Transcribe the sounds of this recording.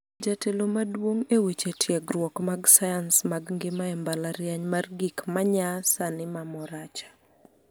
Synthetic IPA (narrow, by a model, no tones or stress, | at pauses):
d͡ʒatelomadwoŋewet͡ʃetʰjɛɡɾwɔkmaɡsajansmaɡŋɡɪmaɛmbalaɾjaɲmarɡikmaɲasanɪmamɔɾat͡ʃḁ